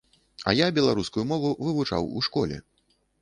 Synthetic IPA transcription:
ɐ̰jabʲɛlˠaɾuskujumɔvuvɨvut͡ʂa̰wuʂkɔlʲɛ̰

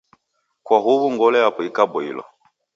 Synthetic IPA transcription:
kwaɦuβuŋɡɔlɛjapɔikabɔḭlɔ̰

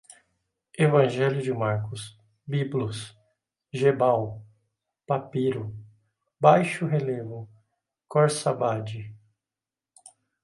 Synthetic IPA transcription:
evɐ̃ʒɛljʊd͡ʒɪmaɾkʊs | biblʊs | ʒebaw | papiɾʊ | bajʃʊɦelevʊ | kɔɾsabad͡ʒɪ

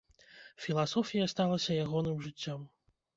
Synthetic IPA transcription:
fʲilˠasɔfʲijɐst̪alˠɐsʲɐjaɣɔnɨmʐɨt͡sʲːɔm

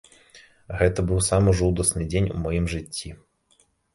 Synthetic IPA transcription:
ɣɛt̪ɐbɨwsamɨʐuwd̪ɐsnɨd͡zʲenʲṵmɔjimʐɨt͡sʲːi

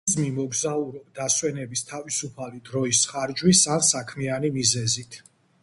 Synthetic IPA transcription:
zmimɔɡzauɾɔbd̪aswɛnɛbist̪ʰavisupʰalid̪ɾɔisχaɾd͡ʒwisansakʰmianimizɛzit̪ʰ

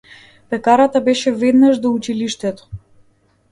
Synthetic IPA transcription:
pɛkaɾat̪abɛʃɛvɛd̪naʒd̪ɔut͡ʃiliʃt̪ɛt̪ɔ̥

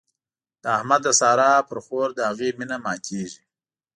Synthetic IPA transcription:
d̪̥əahmad̪ːəsɑɾɑːpəɾxoɾd̪əhaɣeminamɑːkʰeʒi

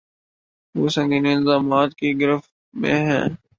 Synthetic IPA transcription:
ʋoːsə̃ŋɡinːɪlzaːmaːt̪kiɡɪɾəf | mḛ̃ɦɛ̃ː

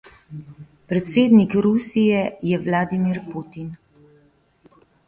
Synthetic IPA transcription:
pɾɛt̪seːd̪nikɾusijɛjɛʋlaːd̪imiɾput̪in

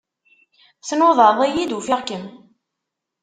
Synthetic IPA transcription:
θnoðˤəɾðˤijid̪ufiʁkəm

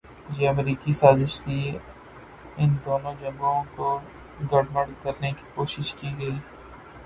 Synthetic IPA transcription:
jeːɐmɾiːkisaːzɪʃt̪ʰi | ɪnd̪oːnõd͡ʒɐ̃ŋɡõko | ɡɐɽməɽkɐɾneki̥koːʃɪʃkiɡɐiː

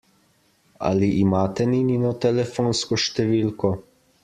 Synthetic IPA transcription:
a̰liʔimaːt̪ɛnininɔt̪ɛlɛfoːnskɔʃt̪ɛʋiːlkɔ

